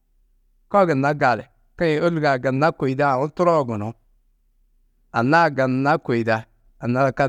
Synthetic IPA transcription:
kɔ˦ɡi˨na˦ɡa˨lḛ˨ | ka˦ji˨o˦li˨ɡa˨ɡa˨na˦ko˨i˨da˦˨u˦tu˦ɾo˦˨ɡu˨no˨ | a˨na˦˨ɡa˨n˨na˦ko˨i˨da˦ | a˨na˦˨ka˦

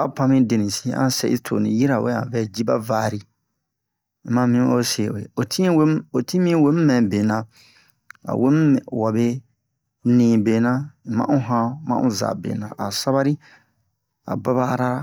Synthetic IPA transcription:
a˦pʰã˧mĩ˦de˨nĩ˨si˦ʔã̰˦sɛ̰˦˨ʔḭ˦tʰo̰˨nĩ˨ji˦ɾa˨we˦ã̰˨vɛ˦d͡ʒi˦ba̰˦vaː˨ɾi˦ | mã˦mĩ˦o̰˦se˨wḛ˨o˨tʰi˦we˦o˨tʰĩ˦mĩ˦we˦m̩˦mɛ̃˨be˨nã˨ | a̰˨we˦m˦˨wa˨be˦ | nĩː˨be˨nã˦˨mã̰˦ʔũ˦ɦã˦mã̰˦ʔṵ̃˦za̰˨bḛ˨nã̰˨ʔa˨sa˦βa˦ɾi˦ | a̰˨ba˦βa˦ɾa˦

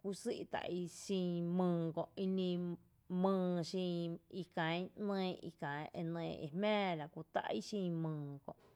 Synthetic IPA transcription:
kʷu˧si˦ʔt̪a̰˨˧ʔi˦˧ʃĩ˧mɨ̃ː˧kõ˨ʔi˧nĩ˧ | mɨ̃ː˧ʃĩ˧i˧kã˨jnẽː˧ḭ˧kã˨˦ʔe˧nẽː˧˨ʔḭ˧hmɛ̃ː˦la˨kʷu˧t̪a̰˧ʔi˦ʃĩ˧mɨ̃ː˨kõ̰˨ʔ

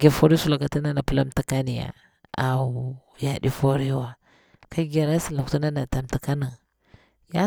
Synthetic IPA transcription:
ɡe˨fo˦ɾi˦su˦la˨ka˨ti˦na˦na˨pə˦la˦mta˦ka˦ni˨ja̰˨ | a˨ | ja˨di˦fo˦ɾi˦wa˨ | ka˦ɡa˨ɾa˦si˨la˨ktu˦na˦na˨ta˨mta˨ka˦na˨ | ja˦

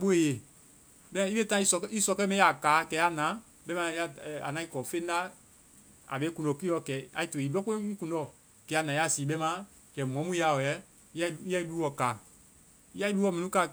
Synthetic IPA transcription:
ɓo˦e˨je˨ | bɛ˦ã˦i˦be˦tã˦i˦sɔ˧ki˦sɔ˧kɛ˦mɛ̃˦a˨kaː˨˦kɛ˨˦a˦˨nã˨˦ | bɛ˦mã˧˦a˦˨a̰˨nã˨˦i˦kɔ˨fe˦n˦da˦ | a̰˨be˨˦kũ˨dɔ˨ki˦ɔ˨˧kɛ˨a̰˨i˦to˨i˨bɔ˦ko˦ĩ˦kũ˨ndɔ˦˨ | kɛ˨˦a˨nã˨˦a˦˨si˨ɓɛ˦mã˦ | kɛ˨m˨ɔ̃˨˦mũ˦a˧˨ɔ˨ɛ˨˦ | i˦ji˦ɛ˦i˦lu˦wɔ˨kaː˨ | i˦a˦i˦duː˦ɔ˧˦mĩ˨nũ˦ka˨

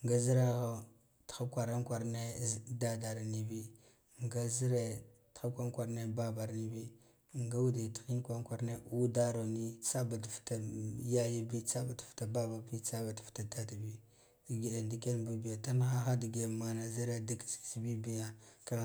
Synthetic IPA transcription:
ŋɡa˦zi˦ɾa˦ɣa˦ | txa˦kʷa˨ɾa˦nkʷa˨ɾne˦˨da˦da˨ɾa˨ni˦˨bi˦ | ŋɡa˦zi˦ɾe˨txa˦kʷa˦ŋkʷa˨ɾne˦ba˦ba˨ɾni˦bi˦ | ŋɡa˦wu˦di˨ti̥˨xi˦n˦kʷa˦ŋkʷa˨ɾne˦ʔu˦da˦ɾo˨ni˦t͡sa˦ba˨dfta˨ja˦ja˦bi˦t͡sa˦ba˨tfta˨ba˦ba˨bi˦t͡sa˦ba˨tfta˨ta˦ti˨bi˦ | di˨ɡi˨ɗa˨ndi˦ke˦nbi˦bi˨ja˨ta˦n˦xa˦xa˦di˨ɡe˨ma˨na˨zi˦ɾe˦di˦kt͡si̥˦t͡si˦bi˦bi˦ja˦ka˦˨

